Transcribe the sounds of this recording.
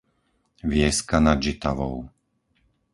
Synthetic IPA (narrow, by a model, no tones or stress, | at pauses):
ʋɪɛskanad͡ʒit̪aʋɔ̰ʊ